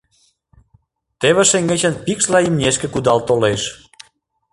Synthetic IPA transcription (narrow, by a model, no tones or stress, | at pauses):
t̪eβeʃeŋɡet͡ɕənpikʃlɑimnʲeʃkĕkud̪ɑlt̪oleʃ